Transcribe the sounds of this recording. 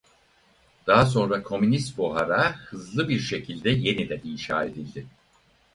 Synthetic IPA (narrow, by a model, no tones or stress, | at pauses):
d̪̥aɦas̬o̞nɾakʰo̞mynist̪̚buɦaɾahɯzlˠɯbiɾʃe̞cʰilʲd̪ɛje̞nid̪ɛninʃa̰ːe̞d̪ilʲd̪ɪ